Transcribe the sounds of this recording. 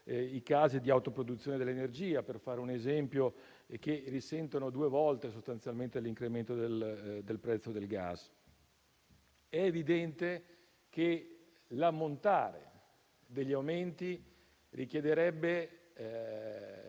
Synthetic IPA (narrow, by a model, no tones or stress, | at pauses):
ikaːzid̪iawt̪opɾod̪ut̪sːjoːned̪elːenerd͡ʒiːaperfaːɾeunezɛmpjo | kerːisɛnt̪onod̪uevɔlt̪esost̪ant̪sjalment̪eliŋkɾement̪od̪eld̪elpɾɛt̪sːod̪elɡa̰s | ɛːvid̪ɛnt̪e | ke | lamːont̪aːɾḛ | d̪eʎːawment̪i | rʔikjed̪eɾɛbːe